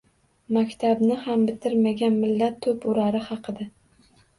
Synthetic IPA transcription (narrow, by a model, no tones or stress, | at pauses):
makʲt̪ʰabnɪhambɪt̪ʰɪɾmaɡʲanmɪlːat̪ʰːʊpʊɾaɾɪhɑqʰɨd̪ɪ